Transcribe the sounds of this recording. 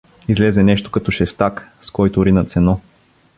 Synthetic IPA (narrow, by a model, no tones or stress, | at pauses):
izlɛzɛnɛʃt̪o̥kɐt̪ɔʃɛst̪akskɔjt̪oɾinɐt̪sɛnɔ